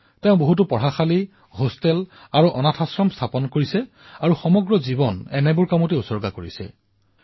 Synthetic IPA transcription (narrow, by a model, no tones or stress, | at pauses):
teʊ̃boɦutʊpɔɹaxali | ɦostɛl | aɹuʔɔnatʰasɹɔmstʰapɔnkoɹisɛ | aɹuxɔmɔɡɹɔzibɔnɛnɛbʊɹkamuteusɔɹɡakoɹisɛ̰